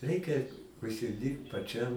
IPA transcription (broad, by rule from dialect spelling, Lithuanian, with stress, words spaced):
ˈrʲɛɪkʲɛ ʊʃʲsʲɪˈdʲiːrpt pɐˈt͡ʃʲɛm